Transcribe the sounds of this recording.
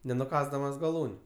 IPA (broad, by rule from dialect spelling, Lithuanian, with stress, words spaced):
nʲɛnʊˈkɑːzdɐmɐs ɡɐˈlˠuːnʲʊ